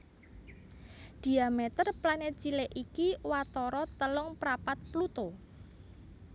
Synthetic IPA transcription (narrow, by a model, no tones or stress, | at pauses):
d̪̥i̤amet̪ərplanɛt̪̚t͡ʃileʔikiwat̪ɔɾɔt̪əlʊŋpɾapat̪̚plut̪o